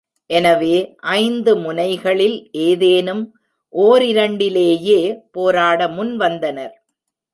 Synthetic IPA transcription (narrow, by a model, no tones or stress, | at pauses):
ʔɛnɐʋeːʔɐɪnd̪ɯmʊnɐɪɣɐɭɪlʔeːðeːnɯm | ʔoːɾɪɾɐɳɖɪleːjeːpoːɾaːɽɐmʊnʋɐnd̪ɐnɐɾ